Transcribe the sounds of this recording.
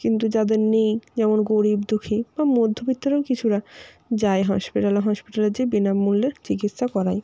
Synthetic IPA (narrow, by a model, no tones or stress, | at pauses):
kint̪ud͡ʑad̪eɾnejd͡ʑɛmonɡoɾibd̪ukʰib̥amod̪ʱːobit̪ːoɾekit͡ɕʰuɾa | d͡ʑaeɦɔʃpiʈaleɦɔʃpiʈaleɾd͡ʑebinabmulːeɾt͡ɕikit̪ʃakɔɾaj